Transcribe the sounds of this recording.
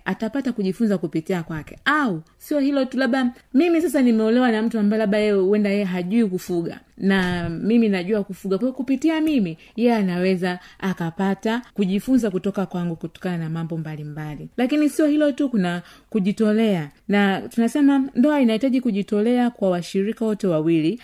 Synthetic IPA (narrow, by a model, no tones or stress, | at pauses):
atapatakuʄifunzakupitiakwakɛau | siɔhilɔtulaɓamimisasanimɛɔlɛwanam̩tuambajɛlaɓajɛuwɛndajɛɛɦaʄuikufuɡa̰ | namiminaʄuakufuɡakwajɔkupitiamimi | jɛanawɛzaakapatakuʄifunzakutɔkakwaŋɡukutɔ̥kananamambɔmbalimbalilakinisiɔhilɔtukunakuʄitɔlɛanatunasɛmandɔainahitaʄikuʄitɔlɛakwawaʃiɾikawɔtɛwawili